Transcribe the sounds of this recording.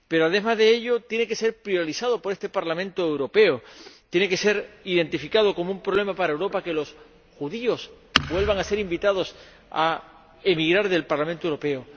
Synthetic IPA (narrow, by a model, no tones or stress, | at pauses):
pe̞ɾoaðe̞mazðe̞eʎo̞t̪je̞ne̞ke̞se̞ɾpɾjoɾisaðo̞po̞ɾe̞st̪e̞paɾlamẽnt̪oewɾo̞pe̞ot̪je̞ne̞ke̞se̞ɾið̞e̞nt̪ifikað̞o̞ko̞moumpɾoβle̞mapaɾaewɾo̞pake̞lo̞s | xuðio̞s | bwe̞lβaŋase̞ɾimbit̪aðo̞s | a̰ | emiɣɾaɾðe̞lpaɾlam̃nt̪owɾope̞o